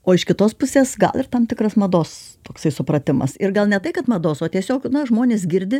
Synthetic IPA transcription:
oːɪʃkʲɪt̪oːspʊsʲeːsɡɐ̰lˠɪrt̪ɐmt̪ʲɪkɾɐsmɐd̪oːst̪oːksɐɪsʊpɾɐt̪ʲɪmɐ̰sɪrɡɐlˠnʲɛt̪ɐɪkɐt̪mɐd̪oːsoːt̪ʲiɛsʲoːknʊʒmoːnʲeːs̬ɡʲɪɾʲd̪ʲɪ

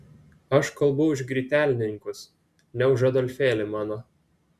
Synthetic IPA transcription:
ɐʃkɐlˠbɐʊɪʒɡɾʲiːt̪ʲæːlʲɪnʲɪŋkʊs | nʲɛʊʒɐd̪ɔlʲfʲeːlʲɪmɑːnoː

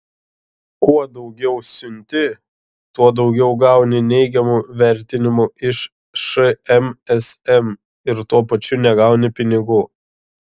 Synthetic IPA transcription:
kuɔd̪ɒʊɡʲɛʊsʲʊnʲt̪ʲɪ | t̪uɔd̪ɒʊɡʲɛʊɡɑˑʊnʲɪnʲɛɪɡʲɛmuʋʲɛɾʲt̪ʲɪnʲɪmʊɪʃ | ʃɨɛmɛsɛm | ɪɾt̪uɔpɐt͡ʃʲʊnʲɛɡɐʊnʲɪpʲɪnʲɪɡuː

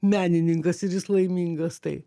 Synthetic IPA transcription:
mʲæːnʲɪnʲɪŋkɐsɪɾjɪslˠɐɪmʲiːŋɡɐst̪ɐɪ

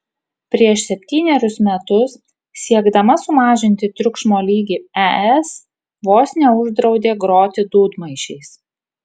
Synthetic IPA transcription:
pʲɾʲiɛʃsʲɛpʲt̪ʲiːnʲɛɾʲʊsmʲɛt̪ʊs | sʲiɛɡd̪ɐmɐsʊmɑːʒʲɪnʲt̪ʲɪt̪ʲɾʲʊkʃmoːlʲiːɡʲiːɛɛs | ʋoːsʲnʲɛʊʒd̪ɾɒʊd̪ʲeːɡɾoːt̪ʲɪd̪uːd̪mɐɪʃʲɛɪs

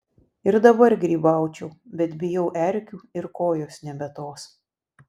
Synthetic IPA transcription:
ɪɾd̪ɐbɐɾɡɾʲiːbɑˑʊt͡ʃʲɛʊbʲɛt̪bʲɪjɛʊʔɛɾʲkʲuːɪɾkoːjoːsnʲɛbʲɛt̪oːs

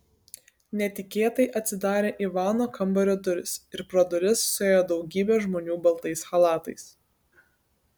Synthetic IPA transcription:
nʲɛt̪ʲɪkʲeːt̪ɐɪʔɐt̪ʲsʲɪd̪ɑːɾʲeːʔiʋɑːnoːkɐmbɐɾʲoːd̪ʊɾʲɪsɪɾpɾɔd̪ʊɾʲɪssʊeːjoːd̪ɒʊɡʲiːbʲɛːʒmoːnʲuːbɐlˠt̪ɐɪsxɐlˠɑːt̪ɐɪs

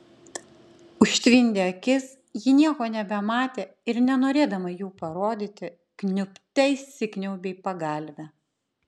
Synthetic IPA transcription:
ʊʃʲt̪ʲʋʲɪnʲd̪ʲeːɐkʲɪs | jɪnʲiɛkoːnʲɛbʲɛmɑːt̪ʲeː | ɪɾnʲɛnoːɾʲeːd̪ɐmɐjuːpɐɾoːd̪ʲit̪ʲɪ | knʲʊpʲt̪ʲɛɪssʲɪkʲnʲɛʊbʲɛɪpɐɡɐˑlʲʋʲɛ

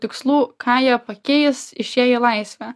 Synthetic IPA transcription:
t̪ʲɪkslˠuːkʰɑːjɛːpɐkʲeːjɛsɪʃʲjeːjɛlˠɑɪsʲʋʲæ

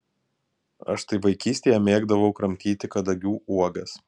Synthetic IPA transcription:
ɐ̰ʃt̪ɐɪʋɐɪkʲiːsʲt̪ʲeːjɛmʲeːɡd̪ɐʋɒʊkɾɐmʲt̪ʲiːt̪ʲɪkɐd̪ɐɡʲuːʔuɔɡɐs

